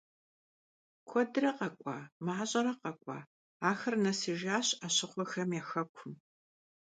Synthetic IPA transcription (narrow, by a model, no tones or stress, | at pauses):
kʷʰɔdɨrɐqɐkʷʼɑ̰ːmaħaʑʼɐɾɐqɐkʷʼɑ̰ː | aːxɐrnɐsɨʒaːɕaɕɪχʷɔxɐmjaːxɐkʷʰʊm